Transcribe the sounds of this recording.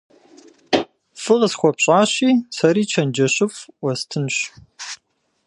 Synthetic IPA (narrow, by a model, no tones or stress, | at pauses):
fɨʁəsxʷɔpɕʼaːɕiːsɐɾiːt͡ʃʰɐnd͡ʒɐɕɪfwɐstʰɨnɕ